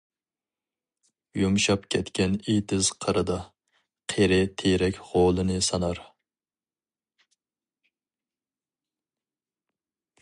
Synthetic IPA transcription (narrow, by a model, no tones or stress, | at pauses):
jumʃɑpkʲʰɛt̪kʲɛnit̪ʰɪz̥qʰəɾɨd̪ɑ | qʰeɾɪt̪ʰeɾɛkʲʁolˠɨnɨsɑnɑɾ